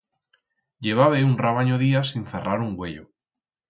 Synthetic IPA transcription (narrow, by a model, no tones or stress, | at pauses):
ʎe̞β̞aβeunraβaɲoðiasinθeraɾuŋɡweʎo̰